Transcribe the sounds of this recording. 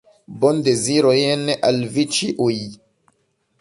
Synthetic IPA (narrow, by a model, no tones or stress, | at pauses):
bond̪eziɾojeneʔalvit͡ʃiʔuj